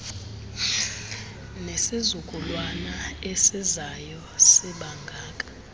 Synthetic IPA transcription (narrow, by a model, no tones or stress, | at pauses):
nesizukʼulwanaesizajɔ | siɓaŋɡʱaːkʼḁ